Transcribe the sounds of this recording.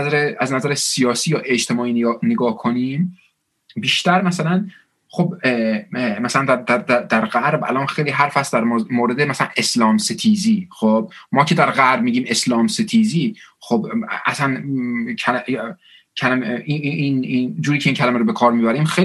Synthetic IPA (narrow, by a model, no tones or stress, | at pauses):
zæɾeæznæzæɾesijɒːsiːjɒːʔe̞d͡ʒt̪ʰe̞mɒːiːnːneɡɒːhkʰoniːm | biːʃt̪æɾmæsælæn | χob | mæsælænd̪æd̪æd̪æd̪æɾɣæɾbæ̰lɒːnxejliːɦæɾfæst̪d̪æɾmoːɾed̪emæsælænʔe̞slɒːmset̪ʰiːziːxob̥̚mɒːcʰe̞d̪æɾɣæɾb̚miːɟiːme̞slɒːmset̪ʰiːziːxobʔæ̰sæncʰæl | cʰælæmiinid͡ʒuːɾiːcʰeincʰælæmeɾobe̞kʰɒːɾmibæɾiːmxe